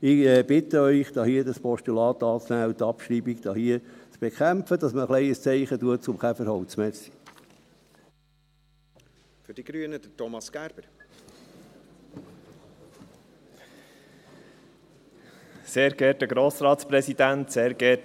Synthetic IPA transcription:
ɪɛb̥ɪt̪əœʏχd̥ɑːhiəd̪ɑspɔʃt̪ulɑːt̪ɑːt͡snæːut̪ɑpʃɾiːbikd̪̥ɑːhiːət͡sb̥ekχæmpfəd̥̪ɑsməχlɛɪəst͡sɛɪχətuət͡sʊmχæfəɾhɑwt͡smɛsi̥ | fʏɾd̥iɡ̥ɾyənəd̥ətɔmɑsɡ̥æɾb̥əɾ | seːɾɡɛtəɡɾoːsɾɑːtspɾɛsid̥̪ænt̪seːɾɡɛ

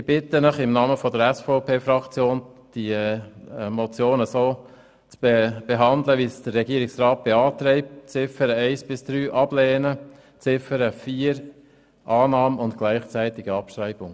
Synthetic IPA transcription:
sib̥ɪt̪ənəχɪmnɑːməfɔdəɾɛsfɔʊpʰeːfrɑkt͡sjoːnd̥i | mɔt͡sjoːnəsoː | t͡sb̥eb̥eɦɑnd̪ləʋisd̥əɾrːɛɡiːəɾɪksrɑːt̚b̥eɑːt̪ɾɛɪp̚t͡sɪfəɾəɛɪsb̥ɪsd̥ɾyːʔɑblɛːnə | t͡sɪfəɾəfiːəɾ | ʔɑːnɑːmʊntɡ̥læɪχt͡sɛɪt̪ɪɡəɑpʃɾɛɪb̥ʊŋ

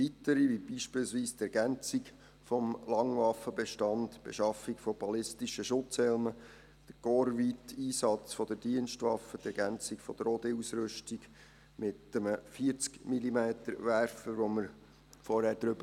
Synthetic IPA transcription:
ʋit̪əɾiʋibiʃpɪːlsʋiːst̪ɛɾɡænt͡siɡ | fɔmlɑŋʋɑfəbɛʃtɑndb̥ḛʃɑfikfɔb̥ɑlɪstiʃəʃʊt͡shɛlmə | d̥əɡ̥oɾvitʰiːsɑt͡sfɔd̥̪əɾd̥iənʃtʋɑfət̪ɛɾɡænt͡sikfɔd̥̪əɾod̪eusɾʏʃtiɡ | mɪt̪əməfiəɾt͡skmilimeːt̪əɾʋæɾfəʋoməɾ | fɔɾhæɾd̥̪ɾʏbə

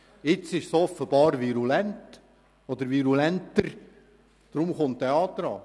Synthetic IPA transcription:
ɪt͡sɪʃsɔfəb̥ɑːɾviɾulɛnt | ɔd̪əɾviɾulɛntəɾ | d̪̥ɾʊmχʊntːeɑːt̪ɾɑː

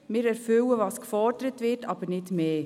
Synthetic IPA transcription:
mɪːɾɛɾfʏwəvɑːskfɔɾdəɾətʋɪɾtɑb̥ənɪdmeː

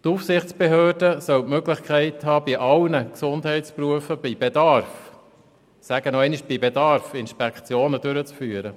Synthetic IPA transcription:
t̪ufsɪχtt͡sb̥eɦøːɾdəsœwtmøɡlɪχkχɛɪthɑːbiʔɑlnəksʊndɦɛɪtspɾuəfəb̥ibedɑɾf | sæɡ̥ənɔɛɪniʃb̥ibedɑɾfɪnʃpɛkχt͡sjoːnəd̥ʉɾət͡sfyːɾə

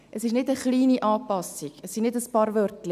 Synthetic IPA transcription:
ʔəsɪʃnɪdəχliːniʔɑːpɑsiɡəsːinɪdəspɑːɾvœrtlɪ

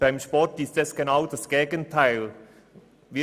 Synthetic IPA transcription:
b̥aɪmʃpɔɾtɪstɛsɡ̥enaʊdasɡ̥eːɡəntʰaɪl | vɪ

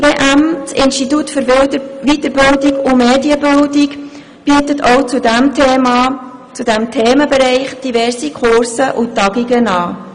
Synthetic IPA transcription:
veːʔæmt͡sɪnstitutføɾʋitəɾbɪldɪɡʊmeːdiəbɪldɪk | b̥iːtətʰoʊt͡sudɛm | t͡sudɛmtʰeːməbɛɾɛɪχd̥ivɛrsikʰʊɾsəʔʊtːɑɡiɡənɑː

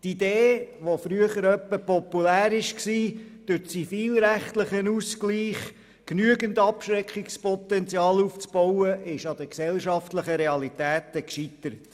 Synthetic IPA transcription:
tid̪eːʋofɾyəχəɾœpːəpɔpːulæːɾɪʃksiːd̥ʉɾt͡sifiːlɾæχtləχənuskliːχ | knyəɡəndɑpʃɾɛkʰχikspɔt̪ɛntt͡sjɑːluft͡sb̥ɔwəʔɪʃɑd̥̪əksɛlʃɑftləχəɾɛɑlit̪æːt̪əkʃit̪əɾət

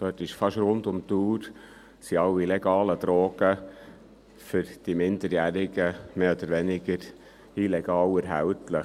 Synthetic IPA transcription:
d̥øːtɪʃfɑʃɾʊnd̪ʊmt̪uːɾ | siɑwilɛɡ̥ɑːləd̥̪ɾɔːɡ̥ə | fʏɾd̥imɪnd̥əɾjæːɾɪɡəmeːɔd̥̪əɾʋɛnɪɡəɾ | ilɛɡ̥ɑːwɛɾɦæwtləχ

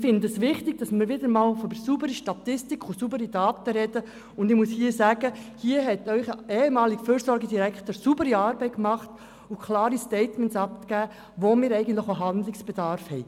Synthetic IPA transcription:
fɪndəsʋɪχtɪɡ̥̚d̥ɑsmɪːɾʋɪd̪əɾmɑːlfdbəsubəɾiʃtɑt̪ɪstikʰʊsuːbəɾid̥ɑːt̪əɾɛd̥ə | ʊndɪχmushiːəsæːɡəhiːəɦɛtœʏχeːhɛmɑːliɡfyːɾsɔɾɡədiɾækχt̪əɾsubəɾiɑːɾbɛɪtkmɑχt | ʊkʰlɑːɾistɛɪtmɛnsɑp̚tɡ̥æː | ʋomɪːɾɛɪɡəntləχoɦɑnd̪lɪksb̥ɛd̥̪ɑɾfhɛɪ

